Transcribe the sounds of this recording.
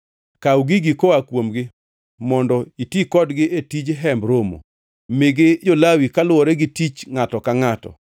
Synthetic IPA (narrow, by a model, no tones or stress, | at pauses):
kauɡɪɡɪkoakwomɡɪ | mɔndɔitikɔdɡɪetid͡ʒɦɛmbɾomo̰ | mɪɡɪd͡ʒolawikalʊwɔɾɛɡɪtit͡ʃŋatɔkaŋatɔ̰